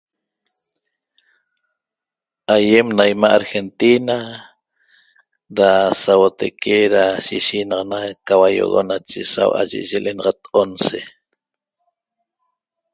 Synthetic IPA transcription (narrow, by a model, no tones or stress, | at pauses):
ajemnajmaʔaɾxent̪ina | ɾasawot̪ekʰeɾaʃiʃinɑʁɑnakawajo̰ɣo̰nat͡ʃesa̰wʔa̰ʒḛʔʒelʔenɑʁɑt̪onse